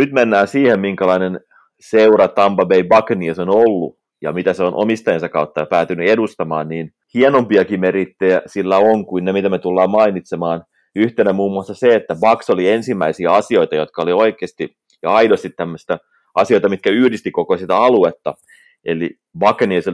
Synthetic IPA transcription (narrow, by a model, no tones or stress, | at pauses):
nyt̪menːæːnsiːhemmiŋkælɑinen | seurɑt̪ɑmpɑbeibɑkniesonolːṵ | jɑ̰mit̪æseonʔo̰mist̪ɑjensɑkɑut̪ːɑjɑpæːt̪ynyedust̪ɑmɑ̰ːnniːn | hienompiɑkimeɾit̪ːejæsilːæoŋkuinemit̪æmet̪ulːɑːmɑinit̪semɑːn | yht̪enæmuːmːuɑsːɑseet̪ːæbɑksoliensimːæisiæɑsioit̪ɑjot̪kɑolioikˑeːst̪i | jɑɑidost̪it̪t̪æmːøst̪æ | ɑsioit̪ɑmit̪kæyhdist̪ikokosit̪æɑluet̪ːɑ | elḭ | bɑknieso